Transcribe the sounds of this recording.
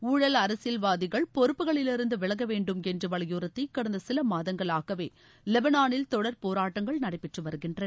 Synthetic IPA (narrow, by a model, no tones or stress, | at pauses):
uːɻɐlɐɾɐsɪlʋaːðɪɣɐɭpɔɾɯpːɯɣɐɭɪlɪɾɯnd̪ɯʋɪɭɐɣɐʋeːɳɖɯmɛndrɯʋɐɭɐjuːɾɐt̪ːɐɪkːɐɽɐnd̪ɐsɪlɐmaːðɐŋɡɐɭaːɣɐʋeː | lɛbɐnaːnɪlt̪ɔɽɐɾpoːɾaːʈːɐŋɡɐɭnɐɽɐɪpːɛʈrɯʋɐɾɯɣɪndrɐ